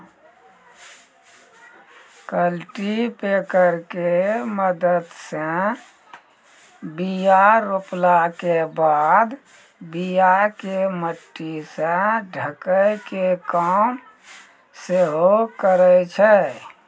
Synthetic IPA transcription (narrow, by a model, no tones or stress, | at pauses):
kəlʈipekəɾkeməd̪əd̪se | bijaɾoplakebaːd̪ | bijakeməʈːisẽɖʱəkəjkekaːm | seɦokəɾət͡ʃʰɛ